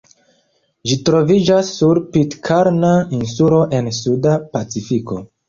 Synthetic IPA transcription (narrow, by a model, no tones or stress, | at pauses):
d͡ʒitɾo̞vid͡ʒasːuɾpitkʰaɾnainsulo̞ʔe̞nsudapat͡sifiko̞